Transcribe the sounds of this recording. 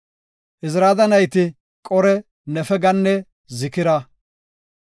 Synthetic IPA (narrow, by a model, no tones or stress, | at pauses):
ʔɪsɾaːd̪ɐnɐjt̪ɪ | kʼɔɾɛ | nɛfɛɡɐnːɛ | zɪkɪɾɐ